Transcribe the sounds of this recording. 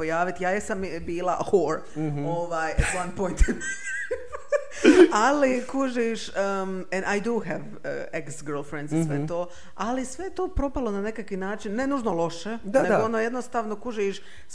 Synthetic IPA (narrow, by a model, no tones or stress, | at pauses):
ojaːʋit̪jaːjesambiːlˠa̰hoːɾ | oʋaːjɛt̪wanpojnt̪n | alikuʒiʃəɛnajd̪uɦɛʋ | eksɡəɾlˠfɾend̪zsʋet̪oː | alisʋejet̪o̞ːpɾo̞palˠo̞nane̞kakʋinaːt͡ʃinːe̞nuːʒnolˠo̞ʃedaneoonojed̪nost̪aːʋno̞kuʒiʃ